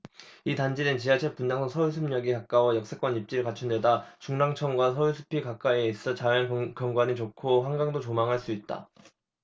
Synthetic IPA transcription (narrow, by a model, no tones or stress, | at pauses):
itand͡ʑinɯnt͡ɕiɦat͡ɕʰep͈und͡ʑaŋsʰʌŋsʰʌjus̬ʰɯmɲʌɡikak͈awʌjʌk̚s͈ek͈wʌɲip̚t͡ɕ͈iɾɯɭkat͡ɕʰundwe̞dat͡ɕuŋnaŋt͡ɕʰʌŋɡwasʰʌjuɭsʰu̥pʰikak͈aeis͈ʌt͡ɕajʌnkjʌŋɡwanit͡ɕokʰoɸwaŋɡaŋdot͡ɕomaŋɦaɭs͈uit̚t͈a̰